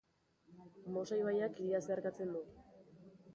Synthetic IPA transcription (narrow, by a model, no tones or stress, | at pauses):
mo̞sajβajakiɾiaseaɾkat͡se̞nd̪u